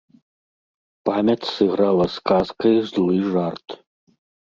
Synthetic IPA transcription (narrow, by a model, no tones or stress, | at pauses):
pamʲɐt͡sʲsɨɣɾalˠɐskaskɐjzlˠɨʐart̪